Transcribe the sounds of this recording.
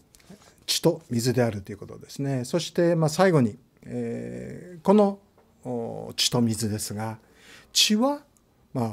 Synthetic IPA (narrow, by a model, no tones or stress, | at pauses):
t͡ɕi̥t̪o̞mʲizɨd̪e̞aɾɯ̟t̪ːoiɯ̟ko̞t̪od̪e̞sɨne̞so̞ɕi̥t̪e̞masaiɡo̞ɲ̟i | e | ko̞no | t͡ɕi̥t̪o̞mʲizɨd̪e̞sɨɡa | t͡ɕiβa | ma